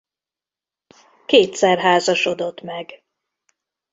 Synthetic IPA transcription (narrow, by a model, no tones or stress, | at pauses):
keːt̪sɛrɦaːzɒʃo̞d̪o̞t̪mɛɡ